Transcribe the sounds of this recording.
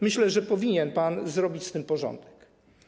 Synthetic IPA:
mɘɕlɛʐɛpɔvʲiɲɛnpanzɾɔbʲit͡ɕst̪ɘmpɔʐɔ̰nd̪ɛk

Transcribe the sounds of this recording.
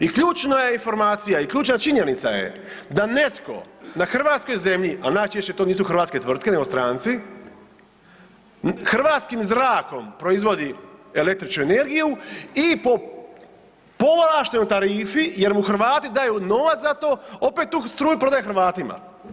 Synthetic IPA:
ikʎuːt͡ʃnajeinfo̞ɾmaːt̪sijaikʎuːt͡ʃnat͡ʃiɲe̞nit̪sajḛ | d̪ane̞t̪ko̞̰naxr̩ʋaːt̪sko̞jze̞mʎiʔanajt͡ʃeʃt͡ɕe̞t̪oːniːsuxɾrʋaːt̪ske̞t̪ʋr̩t̪kene̞ɡost̪ɾaːnt̪si | xr̩ʋaːt̪skimzɾaːko̞mpɾo̞izʋo̞d̪iele̞k̚t̪ɾit͡ʃnuene̞ɾɡijuipo | po̞ʋolaːʃt̪eɲut̪aɾiːfije̞ɾmuxr̩ʋaːt̪id̪aːjuno̞ʋat̪at̪o̞ːopet̪ːuːst̪ɾuːjupɾo̞d̪ajexɾʋaːt̪ima̰

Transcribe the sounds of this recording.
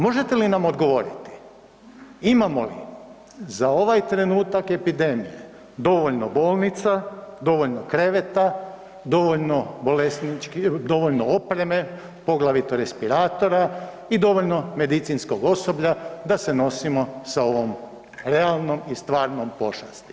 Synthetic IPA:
mo̞ʒe̞t̪e̞linamo̞d̪ɡo̞ʋo̞ɾit̪i̥ | imamo̞lḭ | zao̞ʋajt̪ɾe̞nuːt̪ake̞pid̪e̞mije̞̰ | d̪o̞ʋoʎnobo̞ːlˠnit̪sad̪o̞ʋo̞ʎnokɾe̞ʋet̪a | d̪o̞ʋoʎno̞bo̞lesnit͡ʃkd̪o̞ʋo̞ʎnoopɾe̞me̞ | po̞ɡlˠaʋit̪oɾe̞spiɾaːt̪o̞ɾa | id̪o̞ʋoʎno̞me̞d̪it̪sinsko̞ɡo̞so̞bʎad̪ase̞no̞simo̞sao̞ʋom | ɾe̞alˠno̞mist̪ʋaːɾnompo̞ʃa̰st̪i̥

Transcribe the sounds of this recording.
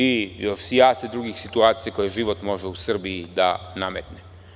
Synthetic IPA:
ijo̞ʃijaːsed̪ɾuɡixsit̪uaːt̪sijeko̞jeʒiʋot̪mo̞ʒeusr̩bijid̪a̰namet̪ne

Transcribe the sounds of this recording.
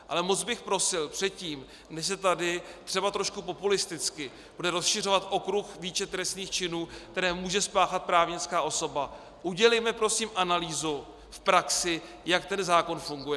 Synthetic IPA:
ʔa̰lɛmo̞t͡sd͡zbɪxpɾo̞sɪlpr̥ɛt̪̚ciːm | nɛʃsɛt̪adɪt̪r̥ɛbat̪ɾo̞ʃkupo̞pulɪst̪ɪt͡skɪ | b̥udɛɾo̞sʃɪrovat̪ʔo̞kɾuxviːt͡ʃɛt̪ɾɛst̪niːxt͡ʃɪnuːkt̪ɛɾɛːmuːʒɛspaːxat̪̚pɾaːvɲɪt͡skaːʔo̞so̞ba | ʔuɟɛlɛjmɛpɾo̞siːmʔanaliːzu | fpɾaksɪ | jak̚t̪ɛnzaːko̞nfuŋɡujɛ

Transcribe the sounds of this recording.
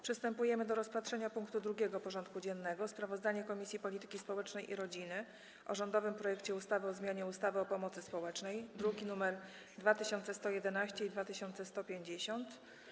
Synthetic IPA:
pʂɘst̪ɛmpujɛmɘd̪ɔɾɔspat̪ʂɛɲapuŋkt̪ud̪ɾuɡʲɛɡɔpɔʐɔnt̪̚kud͡ʑɛnːɛɡɔspɾavɔzd̪aɲɛkɔmʲisʲjipɔlʲit̪ɘ̥kʲispɔwɛt͡ʂnɛjʔḭɾɔd͡ʑinɘ | ʔɔʐɔnd̪ɔvɘmpɾɔjɛkt͡ɕɛust̪avɘɔzmʲjaɲɛust̪avɘɔpɔmɔt̪sɘspɔwɛt͡ʂnɛjd̪ɾuɡʲinumɛɾ | d̪vat̪ɘɕɔnt̪sɛst̪ɔjɛd̪ɛnaɕt͡ɕɛid̪vat̪ɘɕɔnt̪sɛst̪ɔpʲjeɲd͡ʑeɕɔnt̪

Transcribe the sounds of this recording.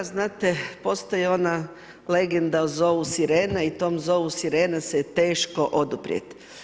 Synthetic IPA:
znaːt̪epo̞st̪ojeo̞na | le̞ɡend̪auzoːusiɾeːneit̪o̞ːmzo̞ːusiɾeːneset̪e̞ːʃkoʔo̞d̪upɾḭḛt̪

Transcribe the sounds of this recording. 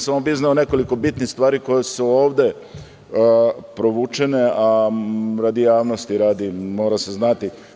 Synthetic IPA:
samobiznaone̞ko̞liko̞bit̪nixst̪ʋaːɾiko̞jesuoːʋd̪e̞ | pɾo̞ʋut͡ʃeneaɾad̪ijaːʋnost̪iɾad̪imo̞ːɾase̞znat̪i

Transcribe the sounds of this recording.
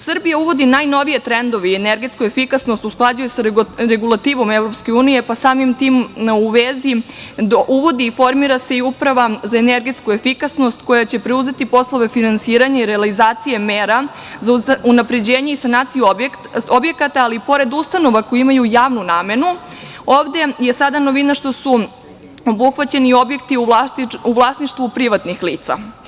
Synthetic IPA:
sɨr̩bijauʋo̞d̪inaːjno̞ʋije̞t̪ɾend̪o̞ʋeieneɾɡet̪skue̞fikasnost̪usklˠad͡ʑujusaɾeɡulˠat̪iːʋo̞mevɾo̞pske̞uːnije̞pasaːmimt̪iːmuʋezi | d̪oʔuʋo̞d̪iːfo̞ɾmiɾase̞iupɾaʋazaeneɾɡet̪skue̞fikasno̞st̪ko̞jat͡ɕe̞pɾeuze̞t̪ipo̞slˠo̞ʋe̞finansiːɾaɲaiɾe̞alizaːt̪sije̞meːɾa | zaunapɾe̞d͡ʑeːɲeisanaːt̪sijub | o̞bje̞kat̪aːlipo̞ɾe̞d̪ust̪ano̞ʋako̞jiimajujaːʋnunaːme̞nu | oːʋd̪e̞je̞sad̪ano̞ʋinaʃt̪o̞su | o̞buxʋat͡ɕe̞nio̞bje̞kt̪iuauʋlˠasniʃt̪vʋupɾiʋat̪nixliːt̪sa̰

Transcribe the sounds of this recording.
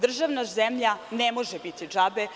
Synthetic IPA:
d̪r̩ʒaʋnazemʎanemo̞ʒebit̪id͡ʒabe̞

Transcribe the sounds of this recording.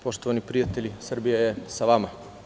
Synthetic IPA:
poʃt̪oʋanipɾijat̪eʎʲisr̩bijajesaʋama

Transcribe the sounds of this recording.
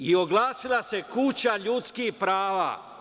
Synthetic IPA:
ioɡlaːsilˠase̞kut͡ɕaʎuːt̪skihpɾaːʋa̰ː

